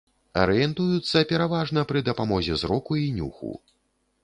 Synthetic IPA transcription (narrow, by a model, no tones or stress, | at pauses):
ɐ̰ɾɨjɛnt̪ujut̪sːɐpʲɛɾavaʐnɐpɾɨd̪ɐpamɔzʲɛzɾɔkuinʲṵxṵ